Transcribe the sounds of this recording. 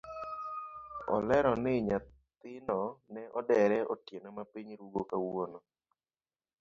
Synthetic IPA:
ɔ̰lɛɾɔnɪɲa | t̪ɪnɔnɛʔɔdɛɾɛɔtjenɔmapiɲɾuɡokawonɔ

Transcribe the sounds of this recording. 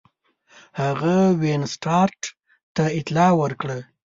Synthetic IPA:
haɣawensʈɑɾʈ | t̪aɪt̪lɑwəɾkɽə

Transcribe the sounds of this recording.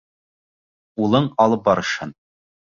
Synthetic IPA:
ulˠɤɴɒlˠɤp̚bɒɾɤ̆ʃhɤn

